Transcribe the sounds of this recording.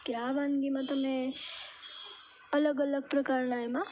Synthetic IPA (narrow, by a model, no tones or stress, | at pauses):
kjabanɡimãt̪əmẽ | ələɡələɡ̚pɾəkaɾnaema